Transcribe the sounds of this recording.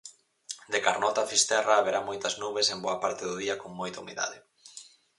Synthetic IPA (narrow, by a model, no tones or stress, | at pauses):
d̪ekaɾnɔt̪afist̪ɛraːβeɾamojt̪ɐznuβesemboapaɾt̪eðʊðiɐkoŋmojt̪aumḭða̰ðe